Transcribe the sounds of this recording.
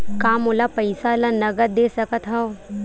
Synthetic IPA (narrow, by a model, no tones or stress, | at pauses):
kaːmolapɐɪsalanɐɡəɾd̪eːsɐkət̪ɦɐo